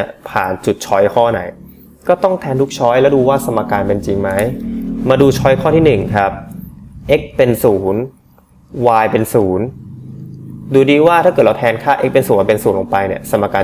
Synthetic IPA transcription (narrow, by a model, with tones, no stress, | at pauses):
pʰa̰ː˨˩nt͡ɕu˨˩t̪̚t͡ɕʰɔ˦˥jkʰɔː˥˩na̰˩˦j | kɔː˥˩t̪ɔ˥˩ŋt̪ʰɛː˧nt̪ʰu˦˥k̚t͡ɕʰɔː˦˥jlɛ˦˥wduː˧waː˥˩sa˧maː˧kaː˧npe˧nt͡ɕi˧ŋma˦˥jmaː˧duː˧t͡ɕʰɔː˦˥jkʰɔː˥˩t̪ʰiː˥˩nɯ˨˩ŋkʰa˦˥p̚ʔe˦˥k̚pe˧nsuː˩˦n | waː˧jpe˧nsuː˩˦n | duː˧diː˧waː˥˩t̪ʰaː˥˩kɤː˨˩t̪̚lɛ˧˩t̪ʰɛː˧nkʰaː˥˩ʔe˦˥k̚pe˧nsuː˩˦ma˧pe˧nsuː˩˦nloː˧ŋpa˧jni˥˩ɐsa˧mːaː˧kaː˧